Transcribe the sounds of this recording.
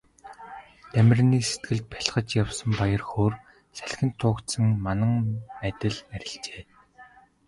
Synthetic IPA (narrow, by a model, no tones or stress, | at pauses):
t̪æmʲɪ̆rniːset̪ɡɘ̆ɮt̪̚pæ̥ɮχə̆t͡ɕjawsə̆mpajə̆rxoːr | sæɮʲxʲɘ̆nt̪ʰːʊːkt̪sə̆ŋmanə̆ŋæt̪ʲɪ̆ɮæɾʲɪ̆ɬt͡ɕeː